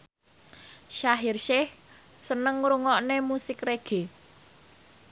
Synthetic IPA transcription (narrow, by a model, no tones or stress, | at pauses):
ʃaɦirʃɪh | sənəŋɾuŋɔʔnemusɪkreɡ̥e̤